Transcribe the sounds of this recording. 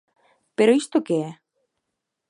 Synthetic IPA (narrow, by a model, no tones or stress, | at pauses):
peɾoist̪okeɛ